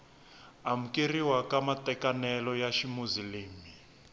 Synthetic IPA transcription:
am̩keriwakamatʼɛkanɛlɔjaʃimuziliːmi

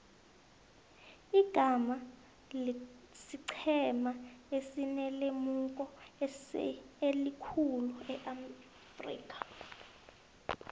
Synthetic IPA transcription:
iɡ̥ʱama | siǀʰɛmaesinɛlemukʼɔ | elikʰuluɛʔa | frḭːkʼḁ

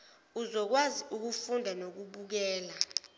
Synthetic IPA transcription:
uzɔk̬waziʔuk̬ufundʱanok̬uɓuk̬ɛːla

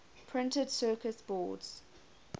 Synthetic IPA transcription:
pʰɹ̥ɪ̃ntədsɜːˑkəsb̥ɔ̰ːdz̥

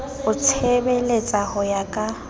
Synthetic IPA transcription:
ʊt͡sʰebelet͡sʼahʊjakʼa

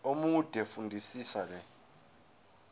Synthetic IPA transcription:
omud̥ʱɛfundʱisiːsak̬ɛ

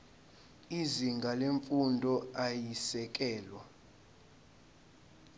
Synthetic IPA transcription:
iziŋɡʱaleɱfundʱɔajisɛk̬ʼɛːlwa

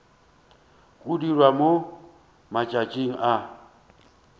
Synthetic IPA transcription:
ɣʼudirwamo | mat͡ʃʼat͡ʃʼiŋ̩ʔa

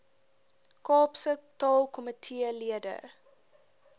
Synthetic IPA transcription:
kɑːpsətɑːlˠkɔmətʰiəliədə̰

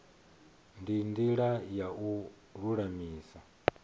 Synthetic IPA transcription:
ndindiɺajau | ɺuɺamiːsa

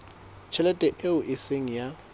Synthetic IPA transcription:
t͡ʃʰɛlɛtʼɛʔeʊʔɪseŋ̩ja

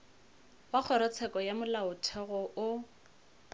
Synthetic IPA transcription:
wak͡xʰɔɾɔt͡sʰɛkɔjamʊlaʊtʰɛɣɔʔʊ

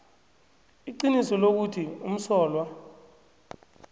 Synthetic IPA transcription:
iǀinisɔlok̬utʰium̩sɔːlwa

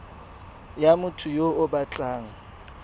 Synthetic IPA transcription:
jamʊtʰʊjoʊbat͡ɬʼaːŋ̩

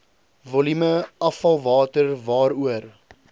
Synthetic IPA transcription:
volyməɐfɐlˠvɑːtərvɑːɾuər

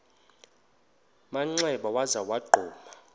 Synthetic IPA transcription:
maŋ͡ǀɛɓawazawaɡ͡ǃʱɔːma

